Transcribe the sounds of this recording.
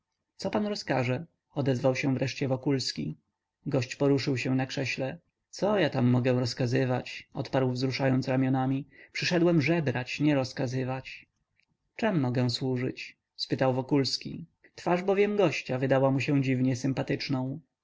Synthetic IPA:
t̪sɔpanɾɔskaʐɛ | ɔd̪ɛzvawɕɛ̃vɾʔɛʂt͡ɕɛvɔkulskʲḭ | ɡɔɕt͡ɕpɔɾuʂɘwɕɛnakʂɛɕlɛ | t̪sɔjat̪amːɔɡɛ̃ɾɔskazɘvat͡ɕɔ̰t̪paɾwvzɾuʂajɔnsɾamʲjɔnamʲipʂɘʂɛd̪wɛmʐɛbɾat͡ɕɲɛɾɔskazɘvat͡ɕ | t͡ʂɛmːɔɡɛ̃swuʐɘ̰t͡ɕ | spɘt̪awvɔkulskʲḭ | t̪faʐbɔvʲjɛmɡɔɕt͡ɕavɘd̪awamuɕɛ̃w̃d͡ʑivɲɛsɘmpat̪ɘt͡ʂnɔ̃w̃

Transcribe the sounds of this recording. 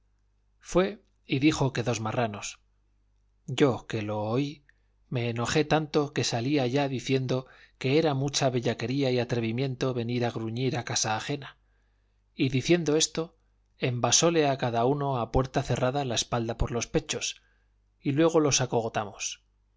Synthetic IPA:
fwe̞ | iðixo̞ke̞ðo̞zmarano̞s | ɟ͡ʝo̞ke̞lo̞ːi | me̞ːno̞χe̞t̪ant̪o̞ke̞saliaʝaðiθje̞nd̪o̞ke̞eɾamut͡ʃaβe̞ʎake̞ɾiaiat̪ɾe̞βimjẽ̞nt̪o̞βe̞niɾaɣɾuɲiɾakasaːχe̞na | iðiθje̞nd̪o̞e̞st̪o̞ | embaso̞le̞akaðauno̞apwe̞ɾt̪aθe̞raðalaespald̪apo̞ɾlo̞spe̞t͡ʃo̞s | ilwe̞ɣ̞o̞lo̞sakoɣot̪amos

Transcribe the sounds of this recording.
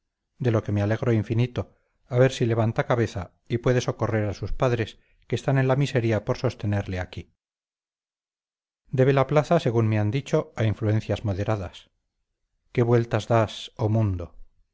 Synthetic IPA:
d̪e̞lo̞ke̞meale̞ɣɾo̞iɱfinit̪o̞ | aβe̞ɾsile̞βant̪akaβe̞θa | ipwe̞ðe̞so̞ko̞re̞ɾasuspaðɾe̞s | keːst̪anẽ̞nlamiseɾiapo̞ɾso̞st̪e̞neɾleaki | d̪e̞β̞e̞laplaθase̞ɣunme̞and̪it͡ʃo̞aiɱflue̞n̟θjazmo̞ðe̞ɾaðas | ke̞βwe̞lt̪azðasomũnd̪o̞

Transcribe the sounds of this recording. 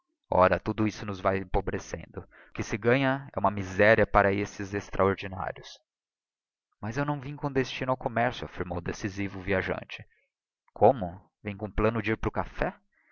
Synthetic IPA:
ɔ̰ɾɐt̪ud̪ʊisʊnʊzvajẽpobɾesḛ̃nd̪ʊ | kɪsɪɡɐ̃ɲɐɛũmɐmizɛɾiɐpaɾɐesɪzest̪ɾʔaoɾd͡ʒina̰ɾjʊs | mɐzewnɐ̃w̃vĩɲʊkõd̪est͡ʃinʊawkomɛɾsjʊafiɾmowd̪esizivʊviaʒɐ̰̃nt͡ʃɪ̥ | kʰõmʊ | vẽj̃kõplɐ̃nʊd͡ʒɪiɾpɾʊkafɛ

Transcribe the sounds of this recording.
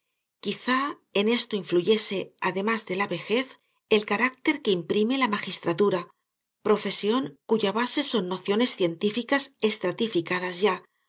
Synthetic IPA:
kiθa | e̞ne̞st̪o̞iɱfluʝe̞se̞aðe̞mazðe̞laβe̞xe̞θ | elkaɾak̚t̪e̞ɾkeimpɾime̞lamaxist̪ɾat̪uɾa | pɾo̞fe̞sjo̞ŋkuʝaβase̞so̞nːo̞θjo̞ne̞sθje̞nt̪ifikase̞st̪ɾat̪ifikað̞azʝa

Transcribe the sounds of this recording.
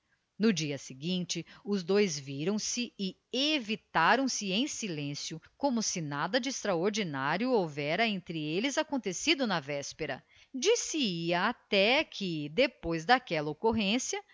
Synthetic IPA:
nʊd͡ʒiɐsɪɡĩnt͡ʃɪʊzd̪ojzviɾɐ̃w̃sɪɪ | evit̪aɾɐ̃w̃sɪẽj̃silẽsjʊkõmʊsɪnad̪ɐd͡ʒɪːst̪ɾaoɾd͡ʒinaɾjʊovɛɾɐẽnt̪ɾɪelɪzakõnt̪esid̪ʊnɐvɛspeɾɐ̰ | d͡ʒisɪiɐat̪ɛkʰɪd̪epojzd̪akɛlɐokoɦẽsjɐ

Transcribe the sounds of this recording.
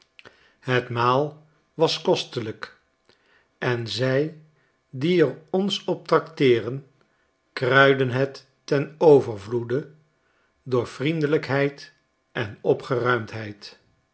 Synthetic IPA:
ɦətmaːlˠ | ʋɑskɔstələk | ʔɛnzɛj | diɛrɔnsɔp̚trɑktɪːrən | krœɥdənɦətː | ɛnowvəɹvludə | dʊːɹfrindələkɦɛjt | ʔɛnɔpχərœɥmtɦɛjt

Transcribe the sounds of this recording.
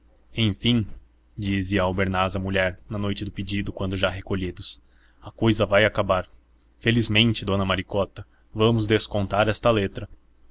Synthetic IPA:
ẽj̃fĩ | d͡ʒizɪɐːwbeɾnazɐmuʎɛɾnɐnojt͡ʃɪd̪ʊpid͡ʒid̪ʊkwɐ̃nd̪ʊʒaɦekoʎid̪ʊs | ɐkojzɐvajakabaɾ | felizmẽnt͡ʃɪd̪õnɐmaɾikɔt̪ɐ | vɐ̃mʊzd̪eskõnt̪aɾɛst̪ɐlet̪ɾɐ

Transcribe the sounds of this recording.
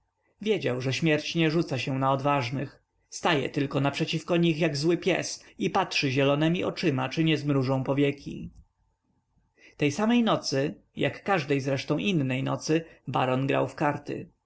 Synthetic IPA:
vʲjɛd͡ʑawʐɛɕmʲjɛɾt͡ɕɲɛʐut̪saɕɛnaɔd̪vaʐnɘx | st̪ajɛ̰t̪ɘlkɔnapʂɛt͡ɕifkɔɲixjaɡzwɘpʲjɛ̰sipatʂɘʑɛlɔnɛmʲiʔɔt͡ʂɘmat͡ʂɘɲɛzmɾuʐɔ̃w̃pɔvʲjɛkʲʰḭ | t̪ɛjsamɛjnɔt̪sɘ | jakːaʐd̪ɛjzɾɛʂt̪ɔ̃w̃ʔinːɛjnɔ̰t̪sɘba̰ɾɔnɡɾa̰wfkaɾt̪ɘ̰

